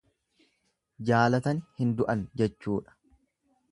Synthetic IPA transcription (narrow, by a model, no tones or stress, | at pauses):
d͡ʒaːlɐt̪ɐnhɪnd̪ʊʔɐnd͡ʒɛt͡ʃːuːᶑɐ̥